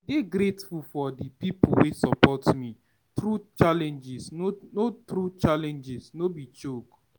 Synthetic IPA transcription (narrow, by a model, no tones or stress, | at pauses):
deɡɾetfufɔdipipuwesɔpɔtmi | tɾut͡ʃalɛ̃nd͡ʒisnnotɾut͡ʃalɛ̃nd͡ʒisnobit͡ʃok